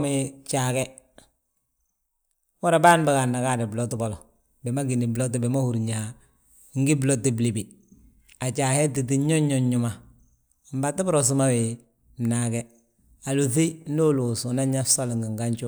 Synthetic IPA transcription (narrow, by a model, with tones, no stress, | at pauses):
me˦t͡ʃaː˨kɛ˦ | wɔ˦ɾa˨baː˦n˦ba˨ka˨nːa˨ka˦˨dɪ˨blo˦tɪ˦bɔ˨lɔ˨ | bɛ˨ma˦ɡi˨ni˨blo˦t̬ɪ˨bɛ˨ma˦hu˨ɾɲa˨˦ | ŋ̩˦ɡi˦blo˦tːi˦bli˨bi˨ | a˨t͡ʃaː˨hɛ˦ti˨t̬i˦ɔ˦ɲ˦ɲɔ˦ɲɲʊ˨ma˨ | m̩˦ba˨tːɪ˦bʊ˦ɾɔ˨s̬u˦ma˦wɪ˨ | m̩˨na˨kɛ˦ | a˨lo˨θe˦do˦lu˨su˨na˦ɲa˦so˦lɪ˨ŋɡɪ˨ŋɡa˦ɲt͡ʃu˦